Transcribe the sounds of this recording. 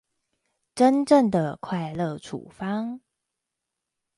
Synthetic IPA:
ʈ͡ʂə˦nʈ͡ʂə˥˩ŋd̪ə˩kʰwa˥˧ɪlɤ˥˨˩ʈ͡ʂʰṵ˨˩fɑ˥ŋ

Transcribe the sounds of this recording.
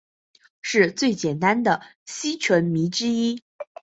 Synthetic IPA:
ʂɻ̩˥˧t͡swe˥˩ɪt͡ɕjɛ˨˩nt̪a˥nd̪ə˨˩ | ɕi˥t͡ɕʰwə˧˥nmi˧˥ʈ͡ʂɻ̩˥i˥

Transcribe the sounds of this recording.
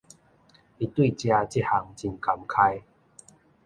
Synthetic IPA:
i˨˧t̪wi˥˨t͡ɕja˧t͡ɕi˦˥t̚ha˧ŋt͡ɕi˨˩nka˨˧mkʰa˧j

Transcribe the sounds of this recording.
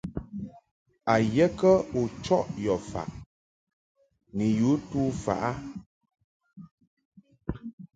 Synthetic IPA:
a˨jɛ˦kə˦u˨t͡ʃɔ˦ʔjɔ˨fa̰˨ʔ | ni˨ju˨˦tuː˦fa̰˨ʔa˦

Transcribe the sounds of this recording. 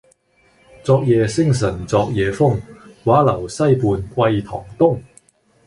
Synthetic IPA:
t͡sɔː˧k̚jɛː˨˧sɪ˥ŋs̬ɐ˨˩nt͡sɔː˧k̚jɛː˨˧fʊ˥ŋwaː˨˥lɐ˨˩wsɐ˥jpuː˧nkwɐ˧jt̪ʰɔ̰ː˨˩ŋt̪ʊ˥ŋ

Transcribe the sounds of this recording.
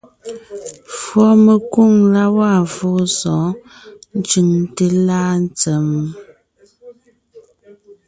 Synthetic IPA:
fwɔ˦me˨ku˦˨ŋla˦wa˦˨fo˦sɔ̃˨˦ | n̩˦t͡ʃʉ˨ŋte˨la˦n˦t͡sɛ˨mu˨

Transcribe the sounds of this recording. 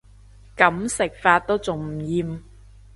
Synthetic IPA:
kɐ˨˥msɪ˨k̚faː˧t̚t̪o˥wt͡sʊ˨˩ŋm̩˨˩jiː˨m

